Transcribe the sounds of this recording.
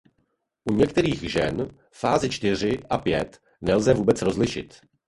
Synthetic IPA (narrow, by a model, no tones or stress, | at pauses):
ʔuɲɛkt̪ɛɾiːɣʒɛn | faːzɪt͡ʃt̪ɪr̝ɪʔapjɛt̪ | nɛlzɛvuːbɛt͡sɾo̞zlɪʃɪt̪